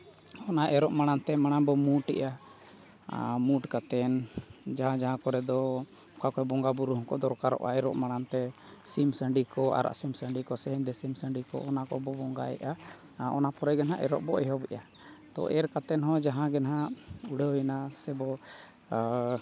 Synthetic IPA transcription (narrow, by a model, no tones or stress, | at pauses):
ɔnaʔɛɾɔʔmaɽ̃ant̪ɛmaɽ̃anbɔmuʈɛ̰ʔa | muʈkat̪ɛnd͡ʒaɦãd͡ʒaɦãkɔɾɛd̪ɔ | kakɔɛbɔŋɡabuɾuɦɔ̃ŋkɔd̪ɔɾkaɾɔ̰ʔa̰ɛɾɔʔmaɽ̃ant̪ɛ | simsəɳɖikɔa̰ɾa̰ʔsimsəɳɖikɔsɛɦəɲd̪ɛsimsəɳɖikɔ̰ɔnakɔbɔbɔŋɡa̰ɛ̰ʔa | ɔ̰napɔɾɛɡɛnɦaʔɛ̰ɾɔ̰ʔbɔɛɦɔbɛʔa | t̪ɔ̰ʔɛɾkat̪ɛnɦɔ̃d͡ʒaɦãɡɛnɦauɽɛɛnasɛbɔ